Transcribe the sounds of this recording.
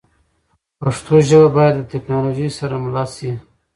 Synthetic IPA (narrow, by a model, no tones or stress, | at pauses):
paʂt̪oʒəwabɑjad̪ːət̪eknɑloʒisaɾamlɑsi